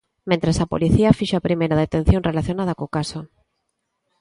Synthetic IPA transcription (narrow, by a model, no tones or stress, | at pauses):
mẽnt̪ɾesapoliθiafiʃoapɾimejɾaðet̪ẽn̟θjonrelaθjonað̞akokaso